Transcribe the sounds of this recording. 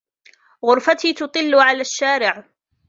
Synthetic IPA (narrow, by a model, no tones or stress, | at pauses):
ɣʊɾfat̪iːt̪ʊt̪ˤɨlːʊʕalaːʃːaːɾɪʕ